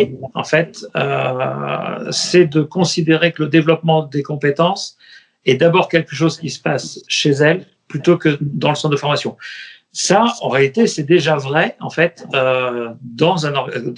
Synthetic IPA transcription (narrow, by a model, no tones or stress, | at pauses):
ɑ̰̃fɛt̪ø̰ | sɛd̪əkɔ̃sid̪eʁekələd̪evlɔpmɑ̃d̪ekɔ̃pet̪ɑ̃s | ɛd̪abɔʁkʲɛlkəʃ̬ozkʲisə̥pasʃezɛl | plyt̪okəd̪ɑ̃ləsɑ̃sd̪əfɔʁmasjɔ̃ | saɑ̰̃ʁealit̪esɛd̪eʒavʁɛɑ̃fɛt̪ød̪ɑ̃zɛ̃nɔʁ